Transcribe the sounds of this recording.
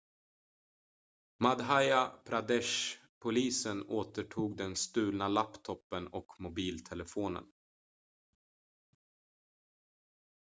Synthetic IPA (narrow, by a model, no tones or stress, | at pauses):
mad̪ɦajapʰɾad̪ɛʂ | pʰʊliːsənoːt̪əʈʰuːɡd̪ɛnst̪ʉ̟ːlnalapt̪ʰɔpːənɔkmʊbiːlt̪ʰɛləfoːnə̰n